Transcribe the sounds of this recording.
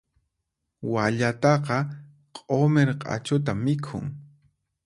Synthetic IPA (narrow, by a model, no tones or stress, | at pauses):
waʎat̪ɑqɑ | qʼomeɾqʼa̰t͡ʃʊt̪amɪkʰʊ̰ŋ